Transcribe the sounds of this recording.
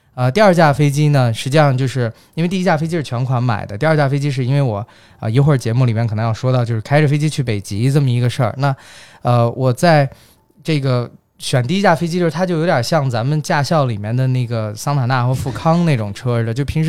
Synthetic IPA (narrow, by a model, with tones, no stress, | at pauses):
ə˧t̪i˥˧ɐ˞˥˧t͡ɕja˥˩fe˥ɪt͡ɕi˥nə˨ʂɻ̩˧˥t͡ɕi˥˧ʂɑ˥˧ŋt͡ɕjo˥˧ʊʂɻ̩˥˩ | i˥n˥˧t̪i˥˧˥t͡ɕja˥˩fe˥ɪt͡ɕi˥ʂɻ̩˥˩t͡ɕʰɥɛ˧˥nkʰwa˧˥nma̰˨˩ɪd̪ə˦t̪i˞˧˥˧t͡ɕja˥˩fe˥ɪt͡ɕi˥ʂ̬ɻ̩˥˩i˥nwe˥˩ɪwɔ˨˩ | ə̰˧ji˧˥ʊxwə˥˩t͡ɕjɛ˧˥mu˥˩li˨˩mjɛ˥˩kʰə˨˩n˧˦jɑ˥˩ʊʂwɔ˥t̪ɑ˥˧ʊt͡ɕjo˥˧ʂ̩˥˩kʰa˥ɪʈ͡ʂfe˥ɪt͡ɕi˥t͡ɕʰy˥˩pe˨˩ɪt͡ɕi˧˥t͡sɤ˥˩mə˩i˧˥ɡə˧ʂə̰˞˥˩na˥˩ | ə˧wʔɔ˨˩t͡sa˥˧ɪ | ʈ͡ʂɤ˥˩ɡə˩ | ɕɥɛ˨˩nt̪i˥˧˥t͡ɕja˥˩fe˥ɪt͡ɕi˥t͡ɕo˥˧ʊʂ̩˥t̪ʰt͡ɕo˥˩ʊjo˧˥ʊt̪ʲjɐ˨˩ɕjɑ˥˩ŋt͡sa˧˥mə˧nt͡ɕja˥˧ɕjɑ˥˩ʊli˨˩mjɛ˥˩nd̪ə˨ne˥˩ɪɡə˩sɑ˥ŋt̪ʰa˨˩na˥˩xwə˧˥fu˥˩kʰɑ˥ŋne˥˩ɪʈ͡ʂʊ˨˩ŋʈ͡ʂʰɤ˥lə˨t͡ɕjo˥˩ʊpʰi˧˥ŋʂ